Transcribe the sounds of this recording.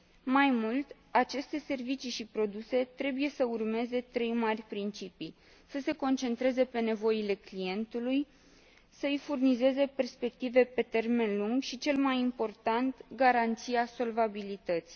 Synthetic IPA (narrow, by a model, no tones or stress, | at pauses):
majmult̪ | at͡ʃe̞st̪e̞se̞rvit͡ʃiʃipɾo̞d̪use̞t̪ɾe̞buje̞səurme̞ze̞t̪ɾe̞jmarʲpɾint͡ʃipi | səse̞ko̞nt͡ʃe̞nt̪ɾe̞ze̞pe̞ne̞vo̞ile̞klije̞nt̪uluj | səɨjfurnize̞ze̞pe̞rspe̞kt̪ive̞pe̞t̪e̞rme̞nluŋɡʃit͡ʃe̞lmajimpo̞rt̪ant̪ɡaɾant̪sijaso̞lvabilit̪ət̪si̥